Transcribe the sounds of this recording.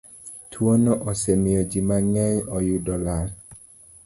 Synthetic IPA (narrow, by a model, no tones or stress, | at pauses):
tʰwonɔʔɔsemɪjɔd͡ʒimaŋɛɲɔjudɔlaɾ